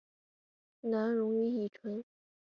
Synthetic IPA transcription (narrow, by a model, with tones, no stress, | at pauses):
na˧˥nɻʊ˧˥ŋy˧˥i˨˩ʈ͡ʂʰwə˧˥n